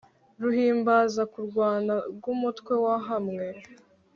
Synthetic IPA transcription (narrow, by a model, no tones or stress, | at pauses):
ɾuhiːmbaːzakuɾɡwaːnaɾɡumutkwe̞waɦamŋe̞